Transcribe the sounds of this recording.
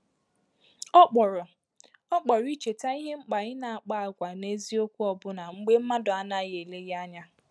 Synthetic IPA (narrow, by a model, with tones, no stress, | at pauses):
ɔ˦k͡pɔ˨ɾʊ˨ | ɔ˦k͡pɔ˨ɾʊ˦i˦t͡ʃe˨ta˦i˦ɦe˦ŋ͡m̩˦k͡pa˨ɲɪ˦na˨a˨k͡pa˦˨a˨kʷa˨ne˦zi˦o˦kʷu˦ɔ˨bʊ˦na˨ŋ͡m̩˦ɡ͡be˦m̩˦ma˦dʊ˨a˨na˦˨ɣe˨le˦ɣa˦ɲa˦